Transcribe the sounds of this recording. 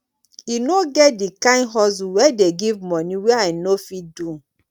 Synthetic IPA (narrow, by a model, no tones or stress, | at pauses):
inoɡɛt̚dikãnɦɔs̬uwɛdeɡivmɔniwɛaɪnofit̚dũ